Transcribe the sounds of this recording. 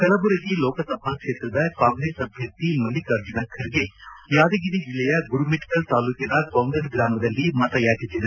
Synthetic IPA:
kɐlɐbuɾɐɡiloːkɐsɐbʱakʂeːt̪ɾɐd̪ɐkaːŋɡɾeːsɐbʱjɐt̪imɐlːikɐɾd͡ʒunɐkʰːɐɾiɡejaːd̪ɐɡid̪id͡ʒilːɛjɐɡuɾumeʈi̥kɐlt̪aːlukinɐkaːŋɡɾesɡɾaːmɐd̪ɐlːimɐt̪ɐjaːd͡ʒit̪ːid̪e

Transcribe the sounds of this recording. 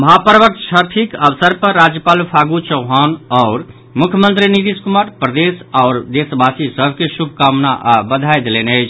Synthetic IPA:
məɦapɾʋək̪̚ʃʰəɾt̪ʰikəʋsəɾpəːad͡ʒjəpaːlpʰaɡut͡ʃəʊɦanɔʊɾ | mukʰjəmənt̪ɾinid̪iskumaɾpɾəd̪esaʊɾd̪esbʱasisəbʱkesubʱkamnaʔbəd̪ʱajd̪elenəɪt͡ʃʰ

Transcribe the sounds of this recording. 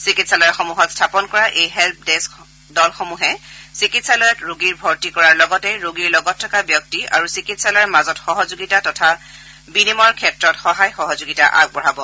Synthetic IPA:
sikitsalɔɛxɔmuɦɔtstʰapɔnkɔɹaʔejɦɛlp̚des | dɔlxɔmuɦɛsikitsalɔjɔtɹoɡiɹbʱɔɹtikɔɹaɹlɔɡɔtɛɹoɡiɹlɔɡɔtʰːɔkabjɔk̚tia̰ɹusikitsalɔjmazɔtxɔɦɔzoɡitatɔtʰa | binimɔɹkʰɛtɹɔtxɔɦajxɔɦɔzoɡita̰ʔa̰ɡ̚bɔɹabɔ

